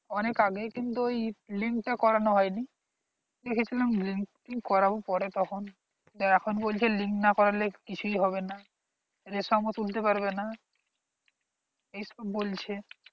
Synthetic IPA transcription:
ɔnekaɡekint̪uejliŋk̚ʈakɔɾanoɦɔeni | d̪ekʰet͡ɕʰilamliŋk | iŋkkɔɾabopɔɾet̪ɔkʰon | ɛkʰonbolt͡ɕʰeliŋknakɔɾalekit͡ɕʰuiɦɔβena | ɾesɔmot̪ult̪epaɾbena | ejʃɔbːolt͡ɕʰe

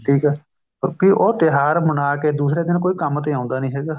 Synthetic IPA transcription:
ʈʰiːkɛː | kiʔoːt̪ɪɦaːɾmʊnaːkeːd̪uːsɾɛːd̪ɪnkoːiːkəmt̪eːãːʊ̃nd̪aːnəĩːɦɛːɡaː

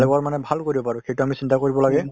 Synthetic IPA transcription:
lɛkaɹmanɛbʱalkoɹibɔpaɹʊxejtuamisintakoɹibɔlaɡɛ

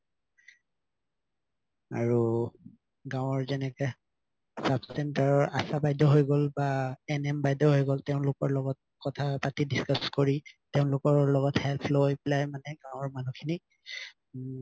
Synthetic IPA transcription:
a̰ɹu | ɡãwɔɹzɛnɛkɛ | sabsɛntaɹɔɹʔasabajdɔɦojɡolbaɛnɛmbajdɔɦojɡɔlteʊ̃nlʊkɔɹlɔɡɔt̚kɔtʰapatidiskaskoɹiteʊ̃nlʊkɔɹlɔɡɔthɛlpʰlojplajmanɛɡãw̃ɔɹmanukʰini

